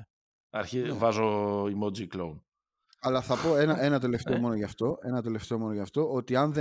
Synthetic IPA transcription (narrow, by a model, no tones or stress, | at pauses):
ɐɾçivɐzoimod͡zikloun | ɐlɐθɐpo̞e̞nɐʔe̞nɐt̪e̞le̞ft̪e̞o̞mo̞no̞ʝɐft̪o̞ʔe̞nɐt̪e̞le̞ft̪e̞o̞mo̞noʝɐft̪o̞ʔo̞t̪iɐnðe